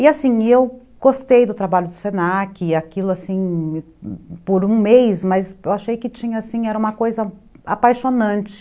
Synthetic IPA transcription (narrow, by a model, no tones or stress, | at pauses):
ɪasĩew | ɡ̥ost̪ejd̪ʊt̪ɾabaʎʊd̪ʊsenakɪakilʊasĩ | poɾũmejsmɐzewaʃejkɪt͡ʃĩɲɐasĩɛɾɐũmɐkojzɐapajʃonɐ̃nt͡ʃɪ̥